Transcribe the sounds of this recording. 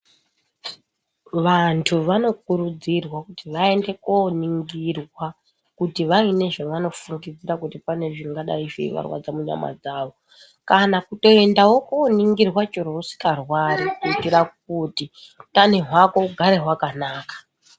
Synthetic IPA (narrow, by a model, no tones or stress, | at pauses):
ʋantʰuʋano̞k̚uɾud͡zirwakutiʋae̞nde̞koniŋɡirwa | kutiʋaine̞ʐaʋano̞fuŋɡid͡ziɾakutipane̞ʐiŋɡaɗa̰iʐḭʋa̰rwa̰d͡zamuɲa̰ma̰d͡zaːʋo̞ | kanakuto̞e̞ndawo̞koniŋɡirwat͡ʃoɾousi̥karwarikuitirak̚uti | tane̞ɦwako̞ɡʱaɾe̞ɦwakanaːkḁ